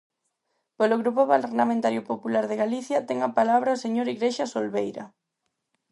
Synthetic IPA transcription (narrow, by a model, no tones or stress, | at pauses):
peloɣɾupoβalrnamẽnt̪aɾjopopulaɾðeɣaliθjɐt̪ɛŋapalaβɾaoseɲoɾiɣɾeʃasolβejɾɐ̰